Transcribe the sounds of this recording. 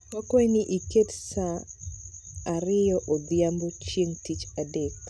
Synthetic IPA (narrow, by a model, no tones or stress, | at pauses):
akweniʔiketsa | ɾɪjɔʔod̪ɪambot͡ʃjeŋtit͡ʃadek